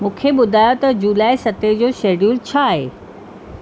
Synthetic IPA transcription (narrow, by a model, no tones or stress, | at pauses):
mũːkʰeɓʊd̪ʱaːjot̪ɐd͡ʑuːlaːisɐt̪ed͡ʑoːʃeːɖuːlt͡ɕʰaːɦḛː